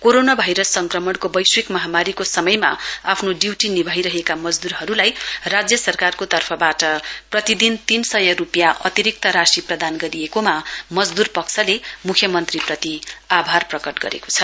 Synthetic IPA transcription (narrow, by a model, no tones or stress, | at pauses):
koɾonabʱajɾʌsːʌŋkrʌmʌɽkobʌjswekmʌɦamaɾikosʌmʌjma̰apʰnoɖiwʈinibʱajɾʌɦekamʌd͡zd̪uɾɦʌɾulajrad͡zjʌsʌrkarkot̪ʌrpʰʌbaʈʌprʌt̪id̪int̪insʌjʌɾupjaʔʌt̪iɾik̚t̪ʌɾasiprʌd̪anɡʌɾiekomamʌd͡zd̪urpʌksʌlemukʰjʌmʌnt̪riprʌt̪iabʱarprʌkʌʈɡʌ̰ɾḛko̥t͡sʰʌ